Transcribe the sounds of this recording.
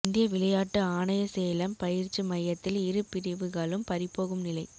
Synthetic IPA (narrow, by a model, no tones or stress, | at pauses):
ɪnd̪ɪjɐʋɪlɐjaːʈːɯaːnɐjɐseːlɐmpɐjɪɾt͡ʃɯmɐjɐt̪ːɪlɪɾɯpɪɾɪʋɯɣaːɭɯmpɐɾɪpːoːɣɯmnɪlɐɪ